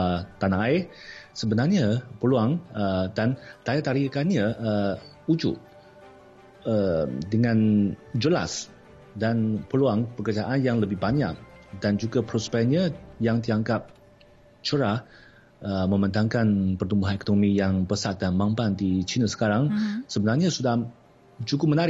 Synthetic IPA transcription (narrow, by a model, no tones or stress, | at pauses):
ət̪anaaɪsəbənarɲapəluaŋədant̪ajat̪aɾikanɲaə | ud͡ʒʊ̰ʔ | əmdəŋãnd͡ʒəla̰s | danpəluaŋpəkərd͡ʒaʔanjaŋləbɪhbaɲaʔdand͡ʒuɡapɾɔspɛɲajaŋt̪̬iaŋkap̚ | t͡ʃəɾa | əmə̃mənt̪aŋkanpərt̪umbuɦanɛkonomijaŋpəsat̪̚danmampandit͡ʃinasə̥kaɾaŋsəbənarɲasudah | d͡ʒukʊmənaɾɪ